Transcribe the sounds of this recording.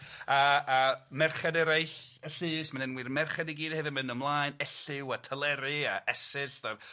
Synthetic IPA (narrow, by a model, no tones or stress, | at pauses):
aəmɛrχadɛɾajɬəɬɨːsmanɪnwɨrmɛrχadiɡiːdhevɪmɪnəmlˠaːɨnɛɬɪwatʰəlˠɛɾɨa̰ɛsɪɬðɔr